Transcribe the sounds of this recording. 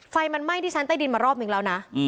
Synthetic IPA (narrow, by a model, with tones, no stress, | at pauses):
fa˧jma˧nma˥˩jt̪ʰiː˥˩t͡ɕʰa˦˥nt̪a˥˩di˧nmaː˧ɾɔː˥˩p̚nɯ˩˦ɾla˧wna˦˥ʔ